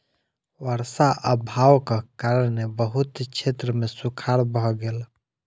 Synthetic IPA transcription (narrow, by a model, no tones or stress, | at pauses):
wəɾsaʔəbʱawkakaɾənebəɦut̪t͡ʃʰet̪ɾəmẽsukʰaɾbʱɔɡel